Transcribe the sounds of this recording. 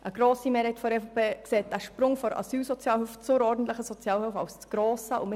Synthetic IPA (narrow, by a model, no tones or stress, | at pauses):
ʔəɡ̥ɾoːsimeːɾhɛɪtfɔɾɛfopeːkseːt̚d̥æʃpɾʊŋfɔɾɑ̰syːlsɔt͡sjɑːlhœft͡sʊɾɔːrdn̩t̪lɪχəsɔt͡sjɑːlhøʊfɑ̰ʊst͡sɡ̥ɾoːsəʔʊm